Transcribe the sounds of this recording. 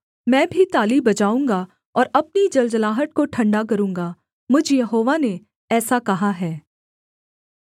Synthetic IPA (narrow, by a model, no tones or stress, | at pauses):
mɛ̃ːbʱit̪aːlibɐt͡ʃaːũːŋɡa | ɔːɾɐp̚nid͡ʒɐld͡ʒəlaːɦət̪̚koʈʰɐ̃ɳɖak̬ɐɾũːŋɡaː | mʊd͡ʒʱjɐɦoːʋane | ɛːsakɐɦaɦɛː